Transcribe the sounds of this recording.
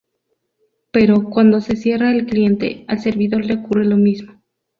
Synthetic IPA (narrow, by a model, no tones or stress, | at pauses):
pe̞ɾo̞kwand̪o̞se̞sje̞raelklije̞nt̪e̞̰alse̞ɾβiðo̞ɾleokure̞lo̞mizmo